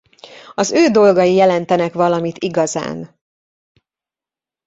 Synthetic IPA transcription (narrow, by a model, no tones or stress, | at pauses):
ɒzøːd̪o̞lɡɒjijɛlɛnt̪ɛnɛkʋɒlɒmit̪iɡɒza̰ːn